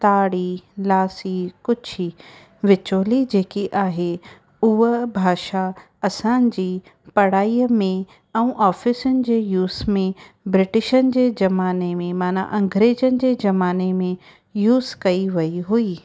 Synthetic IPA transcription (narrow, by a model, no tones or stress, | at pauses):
t̪aːɽilaːsikʊd͡ʑʰʱi | ʋɪt͡ɕoːlid͡ʑeːkiʔaːɦe | ʊɦəbʱaːʃa | ɐsãnɪ̆d͡ʑiː | pɐɽ̤aːiːmẽ | ɛ̃ːʔaːfɪsʊnɪ̆d͡ʑeːjuːzmẽ | bɾɪʈɪʃənɪ̆d͡ʑeːd͡ʑɐmaːnemẽmaːna̰ʔɐ̃ŋɡɾeːd͡ʑənɪ̆d͡ʑeːd͡ʑɐmaːnemẽ | juːzkɐiʋɐiɦuiː